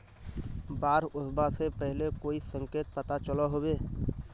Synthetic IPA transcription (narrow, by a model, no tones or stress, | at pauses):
baːɾʊsbasepɛɦlekoːisə̃ŋkeːt̪̚pət̪at͡ʃəlaɦoːweː